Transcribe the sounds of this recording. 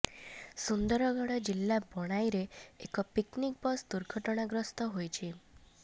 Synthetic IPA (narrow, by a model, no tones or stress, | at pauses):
sund̪ɔɾɔɡɔɽɔd͡ʒilːabɔɽ̃ajɾeekɔpiknik̚bɔsd̪uɾɡʱɔʈɔɽ̃aɡɾɔst̪ɔɦojt͡ʃʰi